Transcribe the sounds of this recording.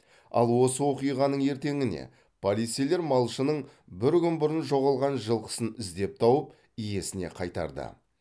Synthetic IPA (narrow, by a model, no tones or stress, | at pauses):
ɑ̰lˠwo̞səwo̞qijʁɑnəɴe̞ɾt̪e̞ŋɪne̞̰ | pʰolʲijt̪sejle̞ɾmɑlˠʃənəɴbɪɾkʲʏnbʊɾənʒo̞ʁɑlˠʁɑnʒəlˠqə̥sənɪzd̪e̞p̚t̪ʰɑwəp | ije̞sɪne̞̰qʰɑjt̪ɑ̰ɾd̪ə̰